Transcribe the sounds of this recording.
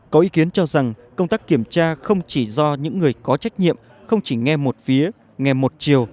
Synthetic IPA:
kɔ˨˦ʔi˨˦ki˨˦ənt͡ɕɔ˧za˨˩ŋkə˧wŋ͡mt̪aː˦˥kːi˧˩əmt͡ɕaː˧xə˧wŋ͡mt͡ɕi˧˩zɔ˧ɲɨ̰˧˥ŋːɨ˨˩əjkɔ˨˦t͡ɕa˦˥jk̟̚ɲḭ˧˨əm | xə˧wŋ͡mt͡ɕi˧˩ŋɛ˧mo˨˩t̚fi˨˦ə | ŋɛ˧˩mo˨˩t̚t͡ɕi˨˩əw

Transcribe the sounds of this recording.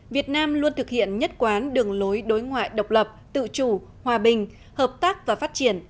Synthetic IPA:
vi˨˩ət̚naː˧mlu˧ənt̪ʰɨ˨˩k̚hḭ˧˨ənɲə˦˥t̚kwaː˨˦nɗɨ˨˩əŋlo˨˦jɗo˨˦jŋwa̰ː˧˨jɗə˨˩wk͡p̚lə˨˩p̚t̪ɨ̰˧˨t͡ɕu˨˧˩ | hwaː˨˩ɓï˨˩ŋ̟ | həː˨˩p̚t̪aː˦˥k̚vaː˨˩faː˦˥t̚t͡ɕi˧˩ən

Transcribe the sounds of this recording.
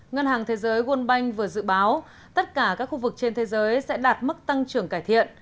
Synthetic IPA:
ŋə˧nhaː˨˩ŋt̪ʰe˨˦zəː˨˦jɣwə˧ənɓa˧jŋ̟vɨ˨˩əzɨ̰˧˨ɓaː˨˦w | t̪ə˦˥t̚kaː˧˩kaː˦˥k̚xu˧vɨ˨˩k̚t͡ɕe˧nt̪ʰe˨˦zəː˨˦jsɛ̰˧˥ɗaː˨˩t̚mə˦˥k̚t̪a˧ŋt͡ɕɨ˧˩əŋkaː˧˩jt̪ʰḭ˧˨ən

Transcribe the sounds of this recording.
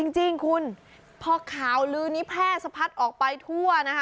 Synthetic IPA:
t͡ɕi˧ŋt͡ɕi˧ŋkʰu˧n | pʰɔː˧kʰaː˩˦wlɯː˧niː˦˥pʰɛː˥˩sa˧pʰa˦˥t̪̚ʔɔː˨˩k̚pa˧jt̪ʰu˥˩ɐna˦˥kʰa˦˥

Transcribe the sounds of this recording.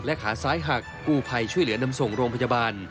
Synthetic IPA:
lɛ˦˥kʰaː˩˦saː˦˥jɦa˨˩kːuː˧˩pʰa˧jt͡ɕʰu˥˩jlɯ˩˦əna˧mso˨˩ŋɾoː˧ŋpʰa˧ja˧baː˧n

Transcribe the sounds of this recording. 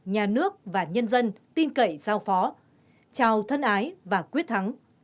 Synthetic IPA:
ɲaː˨˩nɨ˦˥ək̚vaː˨˩ɲə˧nzə˧nt̪i˧nkə̰˧˨jzaː˧wfɔ˨˦ | t͡ɕaː˨˩wt̪ʰə˧nʔaː˨˦jvaː˨˩kwi˦˥ət̚t̪ʰa˨˦ŋ

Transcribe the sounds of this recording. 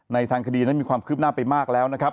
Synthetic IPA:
na˧jt̪ʰaː˧ŋkʰa˧diː˧na˦˥˩miː˧kʰwaː˧mkʰɯː˥˩p̚naː˥˩pa˧jmaː˥˩k̚lɛː˦˥wna˦˥kʰɾa˦˥p̚

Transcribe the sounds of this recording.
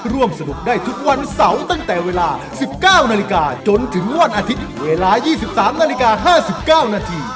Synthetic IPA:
ɾu˥˩əmsa˧du˨˩k̚daː˥˩jt̪ʰu˦˥k̚wa˧nsa˨˩˦wt̪a˥˩ŋt̪ɛː˨˩weː˧laː˧ | si˨˩p̚kaː˥˩wnaː˧li˧˥kaː˧t͡ɕo˧nt̪ʰɯ˩˦ŋwa˧nʔaː˧t̪ʰi˦˥t̪̚weː˧laː˧jiː˥˩si˨˩p̚saː˩˦mnaː˧li˧˥kaː˧ɦaː˥˩si˨˩p̚kaː˥˩wnaː˧t̪ʰiː˧

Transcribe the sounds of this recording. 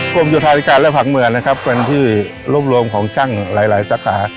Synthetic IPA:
pʰu˥˩mjuː˧˩t̪ʰaː˧a˦˥kaː˧nlɛ˦˥˩fʰa˨˩k̚mɯ˨˩əna˦˥kʰa˦˥pːe˧nt̪ʰiː˥˩ | ɾuː˦˥˩p̚ɾu˧əmkʰɔː˩˦ŋt͡ɕʰa˥˩ŋlaː˩˦jlaː˩˦jsaː˩˦˥kʰaː˩˦

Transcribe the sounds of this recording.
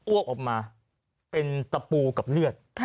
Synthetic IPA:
u˥˩ək̚ʔɔː˨˩k̚maː˧ | pe˧nt̪a˧puː˧ka˨˩p̚lɯ˥˩ət̪̚ʰːa

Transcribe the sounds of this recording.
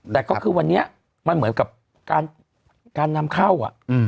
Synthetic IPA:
t̪ɛː˨˩kɔ˥˩kʰɯː˧wa˧nːi˦˥ɐ | ma˧nmɯ˩˦nka˨˩p̚ | kaː˧n | kaː˧nːa˧mkʰa˥˩wʔa̰˨˩ʔʔɯː˧˩

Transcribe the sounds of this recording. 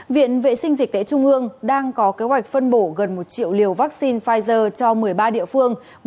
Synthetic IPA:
vḭ˧˨ənvḛ˧˨sï˧ŋ̟zï˨˩k̟̚t̪ḛ˧˥t͡ɕʊ˧ŋ͡mʔɨ˧əŋɗaː˧ŋkɔ˨˦ke˨˦ɦwa˨˩jk̟̚fə˧nɓo˧˩ɣə˨˩nmo˨˩t̚t͡ɕḭ˧˨əwli˨˩əwvaː˦˥k̚si˧nfaː˧jzəː˧t͡ɕɔ˧mɨ˨˩əjɓaː˧ɗḭ˧˨əfɨ˧əŋ

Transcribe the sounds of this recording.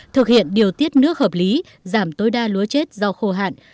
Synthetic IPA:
t̪ʰɨ˨˩k̚hḭ˧˨ənɗi˨˩əwt̪i˦˥ət̚nɨ˦˥ək̚həː˨˩p̚li˨˦ | zaː˧˩mt̪o˨˦jɗaː˧lu˨˦ət͡ɕe˦˥t̚zɔ˧wxo˧ɦa̰ː˧˨n

